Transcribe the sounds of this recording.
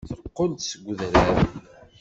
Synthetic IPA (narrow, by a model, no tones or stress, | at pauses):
θəqːənt̪səɡʷðɾæɾ